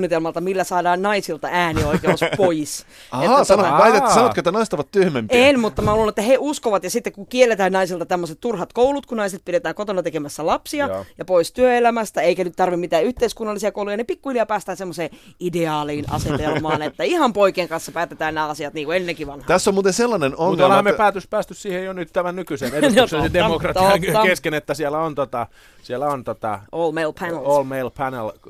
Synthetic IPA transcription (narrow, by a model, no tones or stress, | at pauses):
nːit̪elmɑlt̪ɑmilːæsɑːdɑːnnɑisilt̪ɑʔæːnioikeospois | ɑetːætnoɑʋɑit̪eːsɑnot̪køet̪ːænɑist̪ɑʋɑt̪t̪yhmempenmut̪ːɑmæhulenet̪ːæheʔuskoʋɑt̪jɑsit̪ːekkukielːet̪æːnnɑisilt̪ɑt̪æmːoset̪t̪urhɑt̪koulut̪kunɑiset̪̚piɾet̪æːŋkot̪onɑt̪ekemæsːælɑpsiɑjɑpoist̪yøelæmæst̪æeikænyt̪t̪ɑrʋimit̪æːyht̪eiskunːɑlːisiɑkoulujɑnepikːuhiljɑpæːst̪æːnsemːoseːideɑːliːnʔɑ̰set̪elmɑːnet̪ːæihɑmpoikeːŋkɑnsːɑpæːt̪et̪æːnnæːɑsiɑt̪niːŋkuenːeŋkiʋɑnhɑt̪æsːomuːt̪enselːɑnenonlːhæmepæːt̪øspæːst̪yssiːhejjonyt̪t̪æmænnykyseneseisedemokrɑt̪iŋkeskenet̪ːæsielæont̪ot̪ɑ | sielæont̪ot̪ɑ̰ʔoːlmeilpʰænelolmeilpʰænḛl